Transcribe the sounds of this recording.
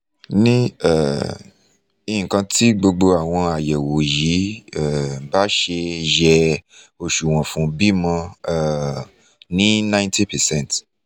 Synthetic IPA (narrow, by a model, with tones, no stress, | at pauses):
nĩ˦ɛ˨ | i˧ĩ˨kã˧tʰi˦ɡ͡bo˧ɡ͡bo˧a˨w̃ɔ̃˧a˨jɛ˨wo˨ji˨˦ɛ˦˨ba˦ʃe˧ʒɛ˧ | o˧ʃu˨w̃ɔ̃˨fũ˨˦bi˦mã˧˦˨ | nĩ˦nã˦j̃nti˦pɛ˨sɛ̃˦˨n˨t